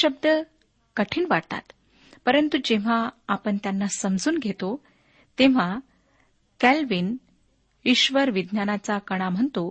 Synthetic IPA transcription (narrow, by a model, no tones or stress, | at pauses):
əb̚d̪ə | kəʈʰiːnʋaɽt̪a̰t̪ | pəɾənt̪ud͡ʑeʋ̤aapəɳt̪janːasəmd͡zuːnɡʱet̪o | t̪eʋ̤a | kælʋin | iɕʋəɾʋid̪ʱnjanat͡sakəɽ̃am̤əɳt̪o